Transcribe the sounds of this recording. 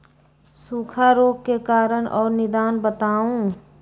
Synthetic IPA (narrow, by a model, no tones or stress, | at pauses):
suːkʰaɾoːɡkekaːɾənʔɔːɾnɪd̪aːnbət̪aːũː